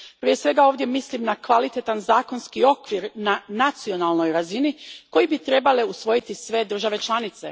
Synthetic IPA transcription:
pɾijesʋe̞ɡao̞ːʋvd̪je̞mislimnakʋalit̪et̪anzaːko̞nskio̞kʋiɾnanat̪sio̞nalˠno̞jɾaziniko̞jibit̪ɾe̞bale̞usʋo̞jit̪isʋe̞d̪ɾr̩ʒaʋe̞t͡ʃlˠanit̪se̞̰

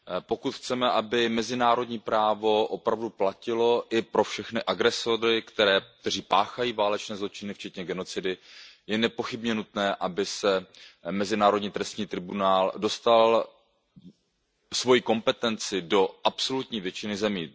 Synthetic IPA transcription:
po̞kut̪xt͡sɛmɛʔabɪmɛzɪnaːɾo̞dɲiːpɾaːvo̞ʔo̞pɾavduplacɪlo̞ʔɪpɾo̞fʃɛxnɪʔaɡɾɛsoɾɪkt̪ɛɾɛːk̚t̪ɛr̝iːpaːxajiːvaːlɛt͡ʃnɛːzlo̞t͡ʃɪnɪft͡ʃɛt̪ɲɛɡɛno̞t͡sɪdɪjɛnɛpo̞xɪbɲɛnut̪nɛːʔabɪsɛmɛzɪnaːɾo̞dɲiːt̪ɾɛst̪ɲiːt̪ɾɪbunaːldo̞st̪al | svo̞jiko̞mpɛt̪ɛnt͡sɪdo̞ʔapso̞lut̪ɲiːvjɛt͡ʃɪnɪzɛmiː

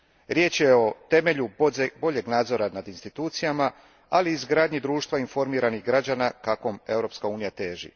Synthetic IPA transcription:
ɾje̞ːt͡ʃje̞o̞t̪e̞me̞ʎubo̞ʎe̞ɡnaːd̪zo̞ɾanad̪inst̪it̪uːt̪sijama | aliːzɡɾaːd̪ɲid̪ɾuːʃt̪ʋainfo̞ɾmiːɾaniɣɡɾad͡ʒanakako̞me̞wɾo̞ːpskauːnijat̪e̞ːʒḭ

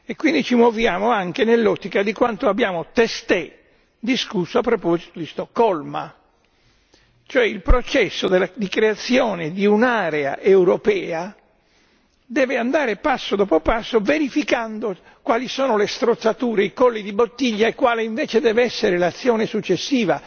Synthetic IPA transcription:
ekwind̪it͡ʃimɔvjaːmoaŋkenelːɔt̪ːikad̪ikwant̪oabːjaːmot̪est̪ɛ | d̪iskusːoapːɾopɔzit̪od̪ist̪ɔkːɔlma̰ | t͡ʃoɛilpɾot͡ʃɛsːod̪elad̪ikɾeat̪sːjɔːned̪iunaːɾea̰ʔewɾopɛːa | d̪ɛːveand̪aːɾepasːod̪ɔːpopasːoveɾifikand̪o | kwaːlisɔːnolest̪ɾot̪sːat̪uːɾeikɔlːid̪ibot̪ːiʎːaekwaːleiɱvɛːt͡ʃed̪ɛːvɛsːeɾelat̪sːjɔːnesut͡ʃːesːiːva

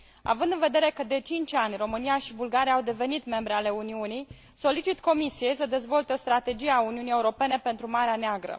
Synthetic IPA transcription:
a̰vɨnd̪ɨnve̞d̪eɾe̞kəd̪e̞t͡ʃint͡ʃanʲro̞mɨnijaʃibulɡaɾijawd̪e̞ve̞nit̪me̞mbɾeale̞uniunij | so̞lit͡ʃit̪ko̞misije̞jsəd̪e̞zvo̞lt̪eo̞st̪ɾat̪e̞d͡ʒieauniunije̞uɾo̞pe̞ne̞pe̞nt̪ɾumaɾeaneaɡɾə̰

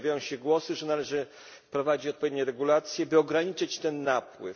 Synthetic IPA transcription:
vʲajɔ̃w̃ɕɛɡwɔsɘʐɛnalɛʐɘ | pɾɔvad͡ʑit͡ɕɔt̪̚pɔvʲjed̪ɲɛɾɛɡulat̪sʲjɛbɘɔɡɾaɲit͡ʂɘt͡ɕt̪ɛnːapwɘ̰f

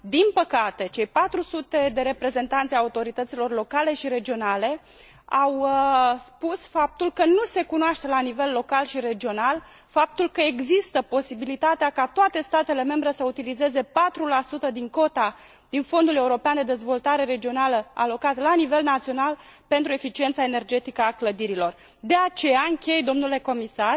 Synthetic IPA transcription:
d̪inpəkat̪e̞t͡ʃe̞jpat̪ɾusut̪e̞d̪e̞ɾe̞pɾe̞ze̞nt̪ant̪sʲajaut̪o̞ɾit̪ət̪silo̞rlo̞kale̞ʃiɾe̞d͡ʒio̞nale̞ | awspusfap̚t̪ulkənuse̞kunoaʃt̪e̞lanive̞lːo̞kalʃiɾe̞d͡ʒio̞nal | fap̚t̪ulkəe̞ɡzist̪əpo̞sibilit̪at̪eakat̪oat̪e̞st̪at̪e̞le̞me̞mbɾe̞səut̪ilize̞ze̞pat̪ɾulasut̪əd̪iŋko̞t̪a | d̪̥info̞nd̪ule̞uɾo̞peand̪e̞d̪e̞zvo̞lt̪aɾe̞ɾe̞d͡ʒio̞naləa̰lo̞kat̪lanive̞lnat̪sio̞nalpe̞nt̪ɾue̞fit͡ʃient̪saene̞rd͡ʒe̞t̪ikəakləd̪iɾilo̞r | d̪e̞at͡ʃe̞jaɨŋkʲe̞jd̪o̞mnule̞ko̞misar

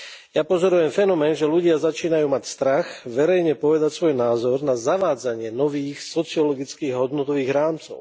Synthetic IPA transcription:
japɔzɔɾujɛmfɛnɔmɛːnʒɛluɟɪazat͡ʃiːnajuːmacst̪ɾaxʋɛɾɛjɲɛpɔʋɛd̪acsʋɔjnaːzɔɾnazaʋaːd͡zaɲɪɛnɔʋiːxsɔt͡siɔlɔɡit͡skiːɣɦɔd̪nɔt̪ɔʋiːɣɾaːmt͡sɔ̰ʊ

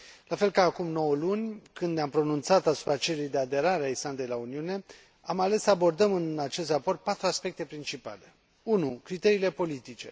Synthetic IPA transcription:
lafe̞lkaːkumno̞wəlunʲkɨnd̪neampɾo̞nunt̪sat̪asu̥pɾat͡ʃelujd̪e̞ad̪e̞ɾaɾeaisland̪e̞jlauniune̞ | amale̞sːəabo̞rd̪əmɨnat͡ʃe̞st̪rapo̞rt̪̚pat̪ɾuaspe̞k̚t̪e̞pɾint͡ʃipa̰le̞ | unukɾit̪e̞ɾiːle̞po̞lit̪it͡ʃe̞

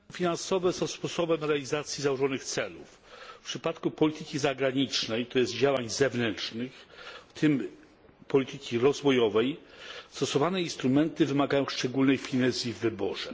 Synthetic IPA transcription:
fʲinansɔvɛsɔ̃w̃spɔsɔbɛmɾɛalʲizat̪sʲjizawɔʐɔnɘxt̪sɛluf | pʂɘpat̪kupɔlʲit̪ɘkʲizaɡɾaɲit͡ʂnɛjt̪ɔjɛszd̪̚d͡ʑawaɲzɛvnɛnt͡ʂnɘxft̪ʰɘm | pɔlʲit̪ɘkʲiɾɔzvɔjɔvɛjst̪ɔsɔvanɛinst̪ɾumɛnt̪ɘvɘmaɡajɔ̃w̃ʂt͡ʂɛɡulnɛjfʲinɛzʲjivːɘbɔʐɛ

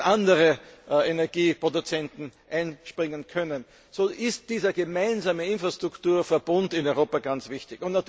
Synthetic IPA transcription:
ʔandəʁəenɛɐɡ̥iːpʁ̥odut͡sɛntn̩ʔaɪnʃpʁɪŋənkʰœnən | soːʔɪst̚d̥iːzɐɡemaɪnzaːməɪnfʁastʁ̥ʊktuːɐfɛɐb̥ʊndɪnɔʏʁoːpaɡ̥ant͡sv̥ɪçtɪçʊntnat

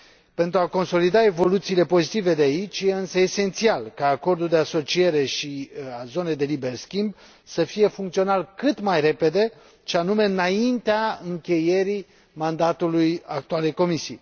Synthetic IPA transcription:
pe̞nt̪ɾuako̞nso̞lid̪ae̞vo̞lut̪siːle̞po̞zit̪ive̞d̪eait͡ʃʲje̞ɨnsəese̞nt̪sialkaːko̞rd̪uld̪e̞aso̞t͡ʃie̞ɾe̞ʃiazo̞ne̞jd̪e̞libe̞rskʲimb | səfije̞fuŋkt̪sio̞nalkɨt̪majre̞pe̞d̪e̞ | ʃeanume̞ɨnaint̪eaɨŋkʲe̞je̞ɾi | mand̪at̪ulujak̚t̪uale̞jko̞misḭj

